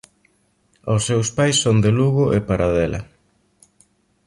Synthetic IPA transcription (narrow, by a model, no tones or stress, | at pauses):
osːewspajsːond̪eluɣʊʔepaɾaðɛlɐ̰